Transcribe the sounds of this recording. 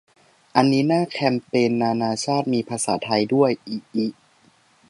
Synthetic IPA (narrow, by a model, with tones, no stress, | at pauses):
ʔa˧nːiː˦˥naː˥˩kʰɛ˧mpeː˧nːaː˧naː˧t͡ɕʰaː˥˩t̪̚miː˧pʰa˧sa̰ː˩˦t̪ʰa˧jdu˥˩əjʔiː˧˩ʔiː˦˩